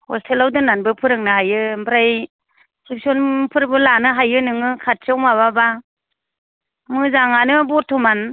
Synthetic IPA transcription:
hɔstʰelawdɯnanbɯpʰɯɾɯŋnɯɦajɯbɾaj | sʰik̚sɔnpʰɯɾbɯlanɯɦajɯnɯŋɯkʰat̚t͡ʃɯwmaβaba | mɯzaŋanɯbɔɾtʰuman

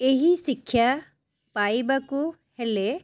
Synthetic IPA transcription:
eɦisikʰːja | pajbaku | hele

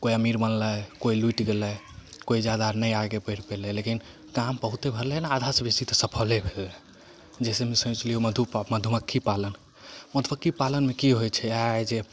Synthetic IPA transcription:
koiəmiɾmənləjkoiluʈɡelə | koid͡ʒad̪anəjaɡepəɪɾpelɛlekin | kampəɦut̪ebʱəɾlɛnaad̪ʱasbist̪it̪ɔsəpʰəlebʱelɛ | d͡ʒɛsemesũt͡ʃlioməd̪ʱuməd̪ʱuməkʰːipalən | məd̪ʱməkʰːipalənmekiɦojt͡ʃʰɛaed͡ʒe

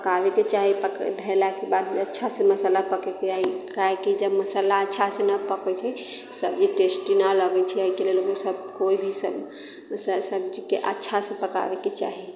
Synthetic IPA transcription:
pəkabeket͡ʃaɦipəkd̪ʱelakebad̪̚ətːʃʰasẽməsəlapəkɛked͡ʒaikaɦekid͡ʒəbməsəlaətːʃʰasenəpəkɛt͡ʃʰɛ | səbd͡ʒiʈesʈinaləɡɛt͡ʃʰiɛəikelelokesəb̚koibʱisəb | səsəb̚d͡ʒikeʔətːʃʰasẽpəka̰ʋɛket͡ʃa̰ɦi

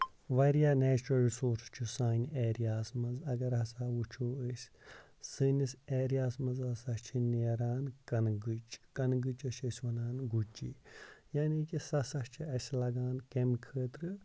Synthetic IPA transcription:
ʋɐɾjaːnɛːt͡ʃuɾɐlɾisoːɾst͡ʃʰusaːneːɾijaːsmɐzɐɡɐɾɦɐsaːut͡ʃʰoːəsʲ | sɨniseːɾijaːsmɐzɐsɐt͡ʃʰineːɾaːnkɐnɡɨt͡ʃkɐnɡɨt͡ʃɐsɐsʲʋɐnaːnɡut͡ʃːḭːjaːniːkisɐsɐt͡ʃʰiɐsʲlɐɡaːnkemkʰəːt̪ɾɨ

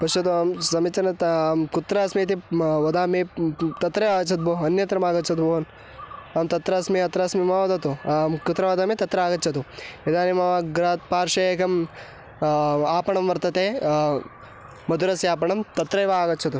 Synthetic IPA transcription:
pɐʃɐt̪uaːmsɐmit͡ʃt̪ːɐɾnɐkut̪ɾɐɐsmit̪iʋɐd̪aːmit̪ɐt̪ɾɐjaːɡɐt͡ʃʰɐt̪̚boːɐnjɐt̪ɾɐmaːɡɐt͡ʃʰɐt̪boːn | ɐːmt̪ɐt̪ɾɐːsmiɐt̪ɾɐːsmimɐʋɐd̪ɐt̪ukut̪ɾɐʋɐd̪aːmit̪ɐt̪ɾɐaːɡɐt͡ʃʰɐt̪uid̪aːnimɐʋaːɡɾaːt̪̚paːɾʂɐeːkɐm | aːpɐɳɐmʋɐɾt̪ɐt̪eː | mɐd̪uɾɐsjaːpɐɳɐmt̪ɐt̪ɾɐjʋaaːɡɐt͡ʃʰɐt̪u

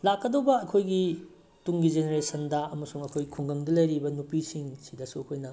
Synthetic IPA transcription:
lakːɐdowbɐːkʰojɡi | tuŋɡizeneɾesʰɐndɐɐmɐsuŋɐkʰojɡikʰuŋɡɐŋdɐlɐjɾibɐnupisiŋsidɐsuɐkʰojnɐ

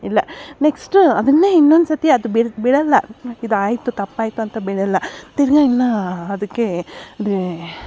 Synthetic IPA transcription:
ilːɐneksʈuɐd̪ɐnːeːinːond̪usɐt̪iɐd̪ubiɽbiɽɐlːɐid̪uaːjt̪ut̪ɐpːaːjt̪uɐnt̪ɐbiɽɐlːɐt̪iɾɡaːnːɐɐd̪ɐkːe̞

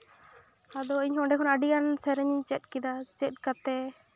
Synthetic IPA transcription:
ad̪ɔiɲɦɔ̃ɖɛkʰɔnəɖijansɛɾɛɲɲt͡ʃɛt̪̚kid̪at͡ʃɛt̪̚kat̪ɛ

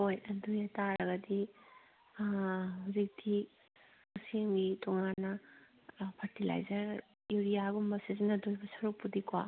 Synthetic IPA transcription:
hojɐndujɐtaɾɐɡɐdi | uzik̚tʰi | usimɡitɔŋanːɐ | pʰɐɾtila̰jzɐɾ | juɾijaɡumbɐseznɐdujbɐsɐɾupːudikwa̰

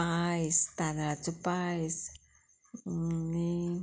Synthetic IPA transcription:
aist̪anɾat͡supajs | ni

